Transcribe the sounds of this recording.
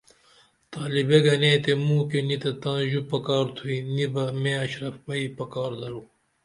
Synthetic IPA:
t̪aːlibeɡɐnẽːt̪emũːkenit̪et̪ãːʑupɐkaːɾt̪ʰuinibɐmẽɐɕɾɐfbɐipɐkaːɾd̪ɐlu

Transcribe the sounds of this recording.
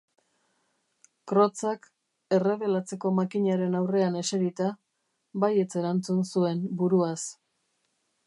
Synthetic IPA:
kɾo̞t͡sak | e̞re̞βe̞lat͡se̞ko̞makiɲaɾe̞nawre̞ane̞seɾit̪a | βaje̞t͡se̞ɾant͡sunsue̞mbuɾuas

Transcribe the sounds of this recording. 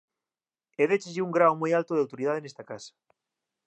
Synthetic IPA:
eðet͡ʃezʝiuŋɡɾawmojalt̪oð̞eawt̪oɾið̞aðenest̪ɐkasɐ̥

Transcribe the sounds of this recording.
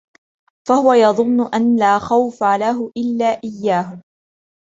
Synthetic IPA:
fahʊwajɑðˤʊnːʊʔanlaːxawfalaɦʊʔɪlːaːʔɪjːaːɦʊ

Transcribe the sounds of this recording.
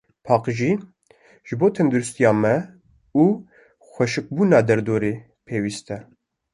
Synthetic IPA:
pʰɑːqʒiː | ʒ̥ɨboːt̪ʰɛmd̪uɾust̪ijɑːmɛ | uː | xʷɛʃɨk̚buːnɑːd̪ɛɾd̪oːɾeː | pʰeːwiːst̪ɛ

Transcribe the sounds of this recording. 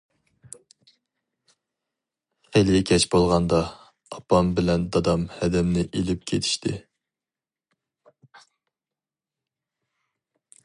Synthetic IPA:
χelɪkʲʰɛt͡ʃbolˠʁɑnd̪ɑ | ɑpʰɑmbɪlɛnd̪ɑd̪ɑmhɛd̪ɛmnɪʔelɪp̚kʲʰet̪ʰɪ̥ʃt̪ʰɪ

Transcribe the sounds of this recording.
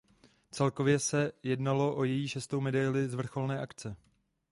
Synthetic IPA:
t͡sɛlko̞vjɛsɛjɛdnalo̞ʔojɛjiːʃɛst̪o̞wmɛdajlɪzvr̩xo̞lnɛːʔakt͡sɛ

